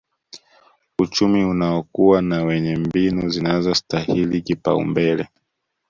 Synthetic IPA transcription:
ut͡ʃumiunaɔkuwanawɛɲɛmbinuzinazɔstahilikipa̰ṵmbɛlɛ

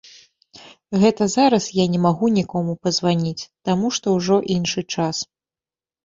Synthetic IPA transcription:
ɣɛt̪ɐzaɾɐsjanʲɛmaɣunʲikɔmupɐzvanʲit͡sʲt̪amuʂt̪ɔwʐɔʔinʂɨt͡ʂas

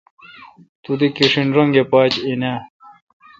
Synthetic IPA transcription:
t̪ud̪ikiʂinɾɐŋɡepaːt͡ɕinaː

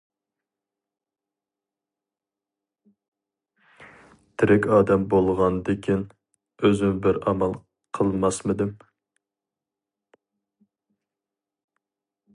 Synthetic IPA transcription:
t̪ʰɪɾɪkʲɑːd̪ɛmbolˠʁɑnd̪ɪkʲʰin | øzɪŋbɪɾɑmɑlˠ | qʰəlˠmɑsmɪd̪ɪm

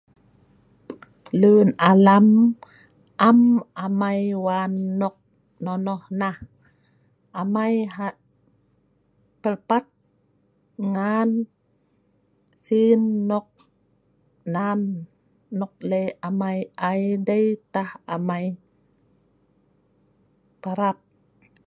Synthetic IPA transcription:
lɯːnʔalam | ʔamʔamajwanːɔk̚ | nɔnɔhnah | ʔamajɦa | pəlpat̪̚ | ŋan | sinːɔk̚ | nanː | ɔk̚leamajʔajdejt̪ahamaj | paɾap̚

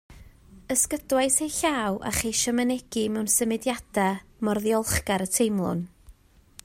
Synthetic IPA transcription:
əskədwajsejɬaːwʔa̰χejʃəmənɛɡ̥imɛwnsəmɪdjad̥amɔrðjɔlˠχɡaɾətʰejmlˠʊ̰n

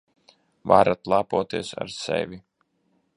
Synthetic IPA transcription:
vaɾat̪lˠaːpuɔt̪iɛsa̰ɾsɛ̰vʲi

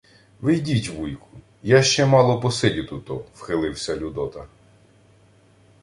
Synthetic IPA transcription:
ʋɪjdʲitʲʋujkʊ̥ | jaʃt͡ʃɛmɑlˠɔpɔsɪdʲʊt̪ut̪ɔwxelˠɪwsʲɐlʲud̪ɔt̪ɐ

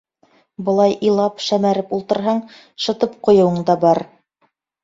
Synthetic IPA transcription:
bɤ̆lˠɑjʔilˠɑpʃæmæɾɘpulˠt̪ɤ̆ɾɦɑɴ | ʃɤ̆t̪ɤpqŏjɤ̆wɤɴd̪ɑbɑɾ

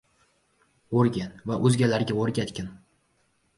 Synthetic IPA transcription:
oɾɡʲanvaʔɵzɡʲalaɾɡʲaoɾɡʲat̪kʲɪn

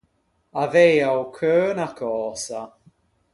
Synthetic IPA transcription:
avejawkʰɜːnakʰɔːsa

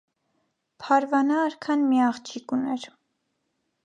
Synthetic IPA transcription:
pʰɑɾvɑnɑːɾkʰɑnmiɑχt͡ʃʰikunɛɾ

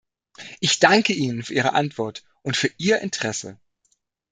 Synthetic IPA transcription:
ʔɪçd̥aŋkəiːnənfyːɐʔiːʁə̰ʔa̰ntv̥ɔɐt | ʔʊntfyːɐʔiːɐʔɪ̰ntʰəʁ̥ɛsə̰

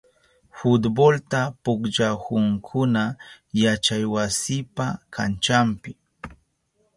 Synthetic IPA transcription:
fʊt̪bolt̪apʊkd͡ʒahʊŋkʰʊna | jat͡ʃajwasɪpakʰa̰nt͡ʃampɪ

